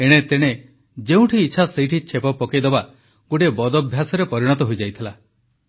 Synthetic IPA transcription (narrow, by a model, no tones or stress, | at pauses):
eɽ̃et̪eɽ̃e | d͡ʒeũʈʰiːt͡ʃʰasejʈʰit͡ʃʰepɔpɔkejd̪eba | ɡuʈebɔd̪ɔbʱjasɔɾepɔɾiɽ̃ɔt̪ɔɦojd͡ʒajt̪ʰila